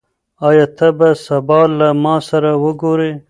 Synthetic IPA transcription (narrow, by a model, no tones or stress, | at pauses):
ɑːjɑːt̪ʰɐbasɐbɑːlːamɑːsɐɾawəɡoɾe